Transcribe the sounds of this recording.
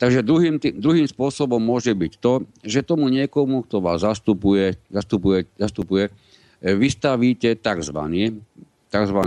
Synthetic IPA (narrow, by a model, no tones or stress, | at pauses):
t̪aɡʒɛd̪ɾuɦiːmt̪iːd̪ɾuɦiːmspʊɔsɔbɔmːʊɔʒɛbict̪ɔʒɛt̪ɔmuɲɪɛkɔmuk̚t̪ɔʋa̰ːzːast̪upujɛzast̪upujɛzast̪upujɛ | ʋist̪aʋiːcɛt̪aɡzʋa̰ni | t̪aɡzʋan